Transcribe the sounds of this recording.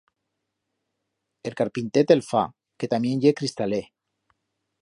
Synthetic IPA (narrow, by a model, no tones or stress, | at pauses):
elkaɾpint̪et̪elfa̰ | ket̪amjenjekɾist̪ale